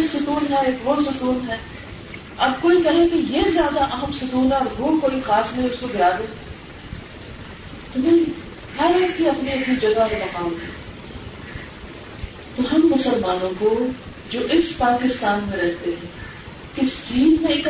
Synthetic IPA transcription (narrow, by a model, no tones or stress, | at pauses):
ksʊkuːnɦɛeːkʋoːsʊkuːnɦɛː | ɐbkoːikɐɦẽkejezjaːd̪aʔɐɦəmsʊk̪uːnaːɾɦoːkoːixaːsnẽʊskobɪjaːd̪e | t̪ʊmɪ̃ | ɦɐɾekiɐpniɐpnid͡ʒɐɡaɦenɐkaːlɦɛ̃ | t̪oɦɐmːʊsəlmaːnõko | d͡ʒoːʔɪspaːkɪst̪aːnmẽɾɛɦt̪eɦɛ̃ː | kɪst͡ʃiːzmẽɪk